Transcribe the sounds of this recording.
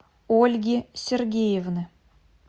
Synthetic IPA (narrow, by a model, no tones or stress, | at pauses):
olʲɡʲisʲerɡʲejevnɨ